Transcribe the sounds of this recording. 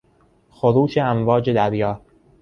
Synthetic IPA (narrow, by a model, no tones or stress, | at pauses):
xoɾuːʃeæmvɒːd͡ʒe̞d̪æɾjɒː